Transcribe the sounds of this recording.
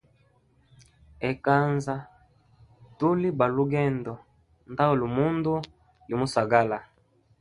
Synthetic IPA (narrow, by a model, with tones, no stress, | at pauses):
ɛ˨ka˦nza˦ | tu˦li˦ba˨lu˦ɡɛ˦ndɔ˨ | nda˦o˨lu˨mu˦ndu˦ | li˨mu˦sa˨ɡa˦la˨